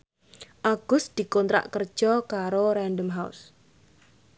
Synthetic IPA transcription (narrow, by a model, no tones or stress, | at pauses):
ʔaɡ̥ʊsd̪̥i̤kɔnt̪ɾa̰ʔkər̥ʒ̥ɔkaɾoɾandəmɦaṵs